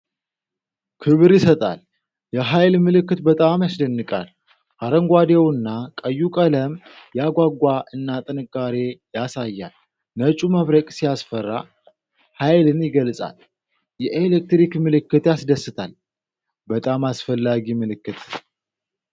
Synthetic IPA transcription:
kʰɨβɨɾjɪsət̪ʼa̰l | jɛɦajlmɨlɨkːɨt̪bət̪ʼamjasd̪ənːɨkʼa̰l | ʔaɾəŋɡʷad̪ewɨnːakʼəjːukʼələmjaɡʷaɡʷaʔɨnːat̪ʼɨnɨkʼːaɾe̞jasajːa̰l | nət͡ʃʼuməβɾəkʼsijasfərːa̰ | hajlɨnjɪɡəlsʼa̰l | jɛʔelek̚t̪ɾikmɨlɨkːɨt̪jasd̪əsɨt̪ʰal | bət̪ʼamasfəlːaɡimɨlɨkːɨt̪

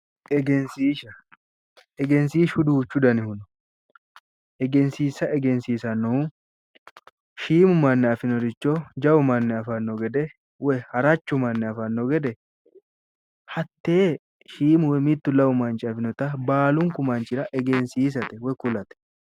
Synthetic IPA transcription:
ʔɛɡɛnsiːʃɐ | ɛɡɛnsiːʃʊd̪uːt͡ʃːʊd̪ɐnɪhʊnʊ̥ | ʔɛɡɛnsiːsːɐɛɡɛnsiːsɐnːʊ | ʃiːmʊmɐnːɛɐfɪnɔd̪ɪt͡ʃːod͡ʒɐwʊmɐnːɛɐfɐnːɔɡɛd̪ɛ | wɛhɐɾɐt͡ʃːʊmɐnːɛɐfɐnːɔɡɛd̪ɛ | hɐt̪ːeː | ʃiːmʊwɛmɪt̪ːʊlɐwʊmɐnt͡ʃɪɐfɪnɔt̪ɐbaːlʊŋkʊmɐnt͡ʃɪɾɐʔɛɡɛnsiːs̬ɐt̪ɛwɛkʊlɐt̪ɛ̥

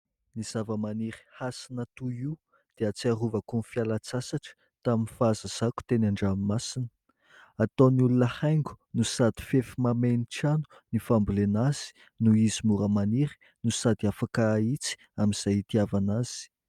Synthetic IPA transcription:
niz̥avəmaniɾi̥hasinat̪uiu | d̪̥eat͡siaruvəkunfialat͡sasaʈ͡ʂə̥ | t̪aminfaazəz̥aku̥t̪enaɳɖ͡ʐammasinə̥ | at̪oniulunəhajŋɡu̥nusad̪i̥fefimameniʈ͡ʂanu̥ | nifambulenaz̥i̥ | nuizimuɾəmaniɾi̥ | nusad̪iafakait͡si̥ | amiz̥ajit̪iavanaz̥i̥

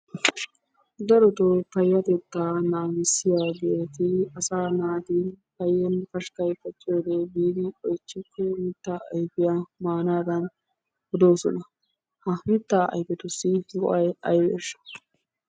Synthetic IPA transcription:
d̪ɐɾɔt̪ɔpɐjːɐt̪ɛt̪ːaːnaːɡɪsːɪjaɡe̞ːt̪ɪɐsaːnaːd̪ɪpɐjːɛnfɐʃkɐjfɐt͡ʃːɔːd̪ɛbiːd̪ɪɔjt͡ʃːɪkʰːɔmɪt̪ːaːɐjpɪjɐmaːnaːd̪ɐn | hʊd̪o̞ːsɔ̰nɐ | hɐmɪt̪ːaʔɐ̰jpɛt̪ʊsːɪɡɔ̰ʔɐjɐjwḛːʃːɐ̥

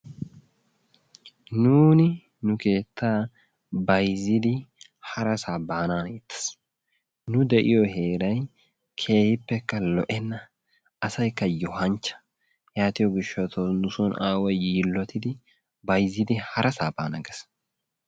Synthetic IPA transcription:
nuːnɪ | nʊke̞ːt̪ʰːaː | bɐjzːɪd̪ɪhɐɾɐsaːbaːnaːnet̪ːɐ̥s | nʊd̪ɛʔɪjɔhe̞ːɾɐj | kʰe̞ːhɪpːɛkːɐlɔʔɛnːɐ | ɐsɐjkːɐjɔhɐnt͡ʃːɐ̥ | jaːt̪ɪjɔɡɪʃːɔt̪ɔnʊsɔnaːwɐjiːlːɔt̪ɪd̪ɪ | bɐjzɪd̪ɪhɐɾɐsaːbaːnɐ̰ɡɛs

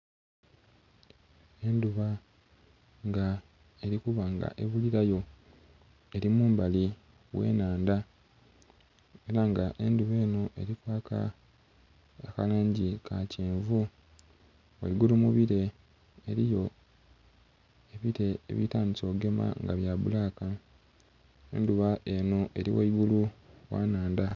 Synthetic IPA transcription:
e̞nduβa | ŋɡa | e̞ɾikuβaŋɡa̰ʔeβuliɾajo̞ | e̞ɾimuːmbali | we̞̰ːnaːnda | e̞ɾaŋɡaʔe̞nduβe̞ːnoʔe̞̰ɾikwaːka̰ | kalaːɲɟikaciːɱvu | waiɡulumuβiɾe̞ | eɾijo̞ | eβiɾe̞̰ːβitaːniso̞ɡe̞ma̰ŋɡaβjaːβulaka | ḛnduβaʔe̞no̞ʔe̞ɾiwa̰iɡuluwa̰ːnaːnda

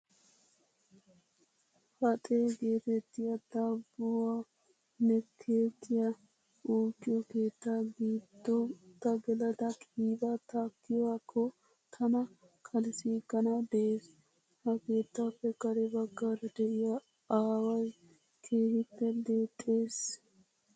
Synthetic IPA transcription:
hɐt̪ʼeːɡe̞ːt̪ɛt̪ːɪjɐd̪̥abɔwa | nɛkʰe̞ːt̪ʰːɪjɐ | ʔuːkːɪjɔke̞ːt̪ːaːɡiːd̪̥ːɔt̪ːɐɡɛlɐd̪ɐkʼiːbɐt̪akːɪjwaːkʰːɔ | t̪ʰɐnɐ | kʰɐlɪsiːɡɐnɐd̪ɛʔeːs | hɐke̞ːt̪ːaːpːɛkɐɾɛbɐɡːaːɾɐd̪ɛʔɪja | aːwɐj | kʰe̞ːhɪpːɛd̪eːt̪ʼːe̞ːs

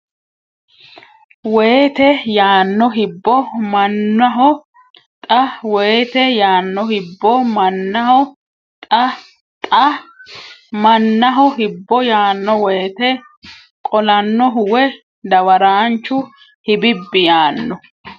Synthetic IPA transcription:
weːt̪ɛjaːnːɔɦɪbːɔmɐnːɐɦɔ | t̪ʼɐweːt̪ɛjaːnːɔhɪbːɔmɐnːɐhɔ | t̪ʼɐ | t̪ʼɐ | mɐnːɐɦɔhɪbːɔjaːnːɔweːt̪ɛ | kʼɔlɐnːɔɦʊwɛ | d̪ɐwɐɾaːnt͡ʃːʊ | hɪbɪbːɪjaːnːɔ

